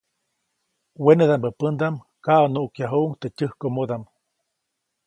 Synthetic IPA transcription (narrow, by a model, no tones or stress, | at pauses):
wened̪ambəpənd̪am | kaʔonuʔkjaɦuʔuŋt̪ecʲəhkomod̪am